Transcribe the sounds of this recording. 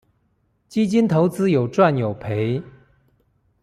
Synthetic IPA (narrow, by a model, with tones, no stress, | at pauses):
t͡ɕi˥t͡ɕi˥nt̪ʰo˧˥ʊt͡sɹ̩˥jo˨˩ʊʈ͡ʂwa˥˩njo˨˩ʊpʰe˧˥ɪ